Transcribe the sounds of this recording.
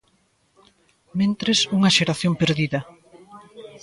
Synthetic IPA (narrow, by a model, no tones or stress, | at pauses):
mẽnt̪ɾesuŋɐʃeɾaθjompeɾðiðɐ